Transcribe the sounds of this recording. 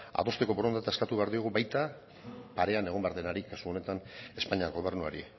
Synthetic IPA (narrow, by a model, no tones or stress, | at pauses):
a̰ðo̞st̪e̞ko̞boɾo̞nd̪et̪ae̞skat̪uβe̞aɾðio̞ɣ̞uβajt̪a | paɾe̞ane̞ɣo̞mbe̞aɾðe̞naɾikasuo̞ne̞t̪ane̞spaɲiaɣo̞β̞e̞ɾnua̰ɾḭ